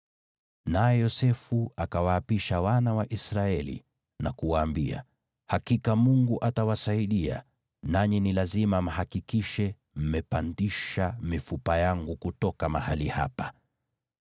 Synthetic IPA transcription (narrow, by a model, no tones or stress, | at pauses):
najɛjɔsɛfuakawaːpiʃawanawaʔisɾaɛlḭ | nakuwaːmbia̰ | hakikamuŋɡuʔatawasaiɗia̰ | naɲinilazimam̩hakikiʃɛ | m̩mɛpandiʃamifupajaŋɡukutɔkamahaliha̰pḁ